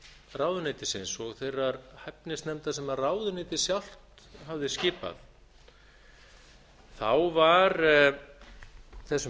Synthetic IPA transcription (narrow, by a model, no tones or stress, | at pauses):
raːwðʏnɪjt̪ɪsɪnsɔɣθejrːaɾhɛpnɪst̪nɛmt̪asɛmaðraːwðʏnɪjt̪ɪsjawl̥t̪ | ɦavðɪscɪːpa̰θ | θa̰wvaɾ | θɛsː